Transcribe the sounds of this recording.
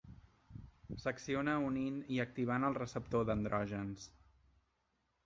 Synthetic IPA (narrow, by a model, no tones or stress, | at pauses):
səksionəuniniək̚t̪iβ̞anəlˠrəsəp̚t̪oðənd̪ɾɔʒəns